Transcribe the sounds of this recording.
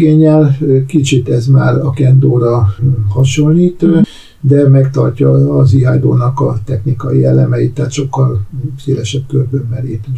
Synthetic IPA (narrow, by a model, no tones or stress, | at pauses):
ɡeːɲːɛlkit͡ʃit̪ɛzmaːɾɒkɛnd̪oːɾɒhɒʃoliːt̪ | d̪ɛmɛkt̪ɒrcɒːziɦa̰jd̪o̰ːnɒkɒt̪ɛxnikɒjiɛlɛmɛit̪ːaːt̪ʃo̞kːɒlseːlɛʃɛbkørb̪øːɛleːp̪